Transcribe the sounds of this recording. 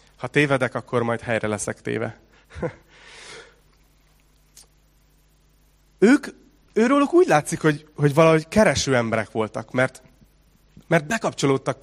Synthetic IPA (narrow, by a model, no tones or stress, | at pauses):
hɒt̪eːvɛd̪ɛkɒkːo̞rmɒjt̪hɛjrɛlɛsɛkt̪ḛːvɛ | øːk | øːɾoːlokuːɟlaːt̪sikho̞ɟho̞ɟvɒlɒɦo̞ɟkɛɾɛʃøːɛmbɛɾɛkʋo̞lt̪ɒkmɛrt̪ | mɛrt̪̚bɛkɒpt͡ʃo̞loːt̪ːɒk